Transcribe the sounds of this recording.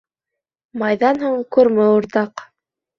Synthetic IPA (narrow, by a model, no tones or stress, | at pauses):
mɑjðɑnɦuɴkʉɾmɘuɾt̪ɑq